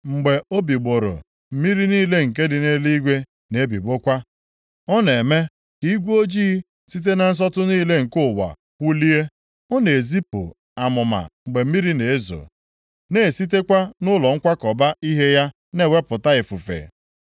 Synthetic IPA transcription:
ŋ͡m̩˨ɡ͡be˨o˦bi˨ɡ͡bo˨ɾo̰˨ | m̩˦mi˦ɾi˦niː˦le˦ŋ̩˨k̬e˦dɪ˨ne˦li˦ɡʷe˦ | ne˦bi˨ɡ͡bo˦kʷa˦ | ɔ˦ne˨me˦ | i˦ɡʷo˦d͡ʒiː˦ | si˦t̬e˦na˨n̩˦s̬ɔ˦tʊ˦niː˦le˦ŋ̩˨kʊ˦˨wa̰˨ | kʷu˦li˦e˦ | ɔ˦ne˨zi˦pʊ̰˨ | a˨mʊ˨ma̰˨ŋ͡m̩˨ɡ͡be˨m̩˦mi˦ɾi˦ne˨e˦zo̰˨ | ne˦˨si˦t̬e˦kʷa˦nʊ˦lɔ˨ŋ̩˦kʷa˦kɔ˨ba˦i˦ɦe˦ja˦ | ne˦˨we˦pʊ˨ta˦ɪ˨fu˨fḛ˨

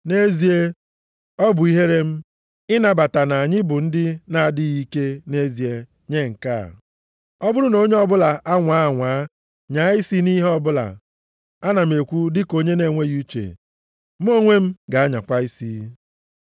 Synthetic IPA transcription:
ne˦zi˦e˦ | ɔ˦bʊ˨i˦ɦe˦ɾe˦m̩˦ | ɪ˦na˨ba˨ta˨na˨a˨ɲɪ˦bʊ˨n̩˦dɪ˦na˨a˨dɪ˦ɣi˦ke˦ne˦zi˨e˦ | ɲe˦˨ŋ̩˨ka̰˦˨ | ɔ˦bʊ˦ɾʊ˦no˦ɲe˦ɔ˦bʊ˦la˨ʔa˦ŋʷa˨˦a˦˨ŋʷaː˨˦ | ɲa˨˦ɪ˦si˦ni˦ɦe˦ɔ˦bʊ˦la̰˨ | a˦na˨m̩e˨kʷu˦dɪ˦ko˦ɲe˦ne˨ŋʷe˦ɣu˦t͡ʃḛ˨ | m̩˦o˦ŋʷe˦m̩˦ɡa˨a˦ɲa̰˨kʷa˦i˦si˦

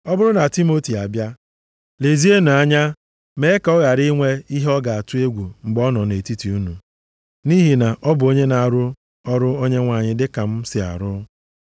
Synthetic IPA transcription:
ɔ˦bʊ˦ɾʊ˦na˨ti˦mo˦ti˨a˨bja˦ | le˨zi˦e˦nu˨a˦ɲa˦ | me˨˦ka˨ɔ˦ɣa˨ɾi˦ŋʷe˦i˦ɦe˦ɔ˦ɡa˨a˨tʊ˦e˦ɡʷu˨ŋ͡m̩˨ɡ͡bɔ˦nɔ˨ne˨ti˦ti˨u˦nu˨ | ni˦ɦi˨na˨ʔɔ˦bʊ˨o˦ɲe˦na˨a˨ɾʊ˦ | ɔ˦ɾʊ˦o˦ɲe˦ŋʷa˨ɲɪ˦dɪ˦ka˨m̩˦sɪ˨a̰˨ɾʊ˦

